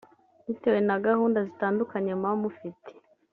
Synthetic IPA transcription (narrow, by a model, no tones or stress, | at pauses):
zite̞we̞naɡahuːndazitaːndukaɲe̞mamufitʰe̥